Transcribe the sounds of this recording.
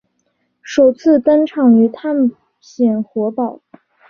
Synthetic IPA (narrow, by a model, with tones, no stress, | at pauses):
ʂo˨˩ʊt͡sʰɹ̩˥˩t̪ə˥nʈ͡ʂʰɑ˨˩ŋy˧˥t̪ʰa˥˩nʰ | jɛ˨˩nxwɔ˧˥pɑ˨˩˦ʊ